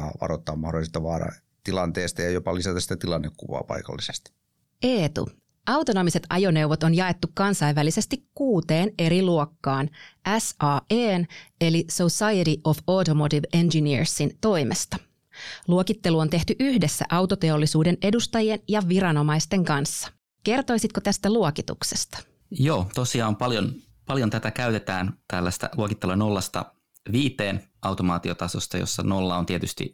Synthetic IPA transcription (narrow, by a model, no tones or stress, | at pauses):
ɑ̰ːʋɑ̰rot̪ːɑːmɑhdolist̪ɑʋɑːɾɑ̰ | t̪ilɑnt̪eːst̪ɑjɑjopɑlisæt̪ɑsi̥t̪æt̪ilɑnːekkuʋɑ̰ːpɑ̰ikɑ̰lːisest̪i̥ | ʔeːt̪ṵ | ʔɑwt̪ono̞mise̞t̪ɑ̰jo̞ne̞uʋot̪onjɑe̞t̪ːukkɑnsɑiʋːælise̞st̪ikkuːt̪e̞ːne̞ɾiluokːɑːnʔæsɑːeːne̞lisosɑjeɾiʔo̞foːt̪omot̪iʋend͡ʒiniɹsːint̪o̞imest̪ɑ̥ | luokit̪ːe̞luo̞nt̪e̞ht̪yʔyhde̞sːæ̰ʔɑwt̪o̞t̪e̞olːisuːde̞nʔe̞dust̪ɑjie̞njɑʋiɾɑno̞mɑjst̪e̞ŋkɑnsːɑ̥ | ke̞rt̪o̞jsit̪̚kot̪æst̪æluokit̪ṵkse̞̥st̪ɑ̥ | joːt̪osiɑːompɑljon | pɑljont̪æt̪ækæyt̪et̪æːnt̪ælːæst̪æ̰luokit̪ːeluno̞lːɑst̪ɑ̰ | ʋiːt̪eːnɑwt̪omɑːt̪iot̪ɑsost̪ɑjo̰sːɑ̰no̞lːɑont̪iet̪yst̪ḭ